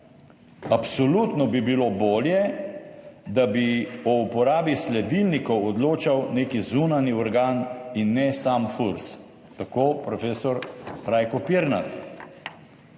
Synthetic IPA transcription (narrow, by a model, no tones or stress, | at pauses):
apsɔlut̪nɔbibiloboːljɛ | d̪abiɔupɔɾaːbislɛd̪ilnikɔwɔd̪loːt͡ʃawneːkizunaniɔɾɡaːninːɛsamfuɾs | t̪akoːpɾɔfeːsɔɾɾajkɔpiɾna̰t̪